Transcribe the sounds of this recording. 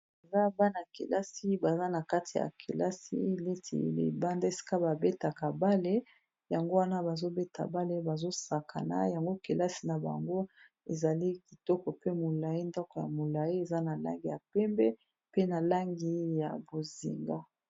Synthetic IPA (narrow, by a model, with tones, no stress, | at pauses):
e˨za˦ba˦na˨kḛ˨la˦si˦ba˨za˦na˨ka˦tʰi˨ja̰˨kʰḛ˨la˦sḭ˦˨le˦tʰḭ˨lḛ˨ba˦nda˦e˨si̥˦ka˦ba˨be˦ta˨ka˨ba˦le˦ | ja˨ŋɡo˦wa˦na˦ba˨zo˦be˦tʰa̰˨ba˦le˦ba˨zo˦sa˨kʰa̰˨na̰˦ja˨ŋɡo˦ke˨la˦si˦na˨ba̰˨ŋɡo˦ | e˨za˨li˦ki˨tɔ˦kɔ˨pe˦mo˨la˨ji˦ndɔ˦kɔ˨ja̰˨mo˨la˨i˦e˨za˦na˨la̰˦ŋɡi˨ja˨pɛ˦mbɛ˦ | pe˦na˨la˦ŋɡi˦ja˨bo˨zḭ˨ŋɡa˦